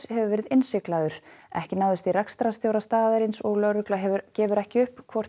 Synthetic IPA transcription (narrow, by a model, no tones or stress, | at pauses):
shɛvʏvɛːɾɪðɪnsɪklaðʏɾ̥ɛhcɪnaːwðʏst̪iɾakst̪ɾast̪jowɾast̪aːðaɾɪnsɔɣlœɾʏklaɦɛvʏɾcɛːvʏɾɛhcɪʏhpkʰvɔr̥